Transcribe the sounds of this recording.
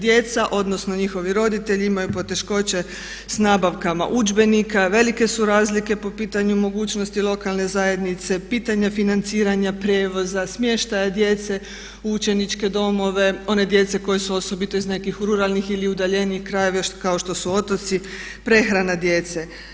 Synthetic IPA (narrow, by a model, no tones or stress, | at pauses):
d̪je̞t̪saʔo̞d̪no̞snoɲixo̞ʋiɾo̞d̪it̪e̞ʎiimajupo̞t̪e̞ʃko̞t͡ɕe̞ | snaːbaʋkama̰ʔud͡ʒbe̞nikaʋe̞like̞suɾaːzlike̞po̞piːt̪aɲumo̞ɡuːt͡ɕno̞st̪ilo̞kalne̞zaje̞d̪nit̪se̞piːt̪aɲafinant̪siːɾaɲapɾjeːʋo̞zasmje̞ʃt̪ajad̪je̞t̪se̞ | ut͡ʃe̞nit͡ʃke̞d̪o̞mo̞ʋe̞o̞ne̞d̪je̞t̪se̞ko̞je̞suo̞so̞bit̪o̞izne̞kixɾuɾalˠnixiliud̪aʎe̞niːxkɾajeʋakao̞ʃt̪o̞suot̪ot̪si | pɾe̞xɾanad̪je̞t̪se̞